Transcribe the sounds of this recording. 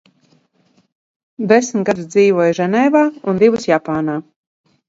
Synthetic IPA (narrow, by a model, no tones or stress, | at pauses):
d̪ɛsmt̪ɡad̪usd̪ziːvuɔjʒɛnɛːvaːund̪ivusjapaːnaː